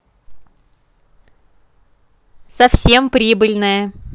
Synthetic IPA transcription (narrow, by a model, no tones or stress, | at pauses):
sɐfsʲe̞mpɾʲibɨlʲnəjə